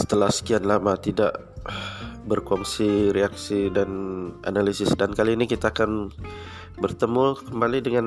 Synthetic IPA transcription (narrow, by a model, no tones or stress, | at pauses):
sə̥t̪əlahsə̥kianlamat̪idaʔ | bərkɔŋsiɾeak̚sidanʔa̰nalisɪsdankaliːnikit̪aːkan | bərt̪əmukəmbalidəŋan